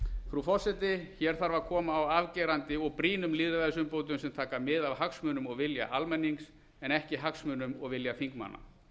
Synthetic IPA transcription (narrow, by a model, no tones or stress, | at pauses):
fɾufɔr̥sɛt̪ɪçɛɾ̥θaɾvaɾkʰɔːmaːwaːvcɛːɾant̪ɪɔɣpɾiːnʏmliːðɾaðɛs̬ʏmpoːwt̪̬ʏmsɛmt̪ʰaːkamɪðavhaksmʏːnʏmɔɣvɪlja̰ʔalmɛnːiŋks | ɛnɛhcɪɦaksmʏːnʏmɔɣvɪljaθiŋkma̰nːa̰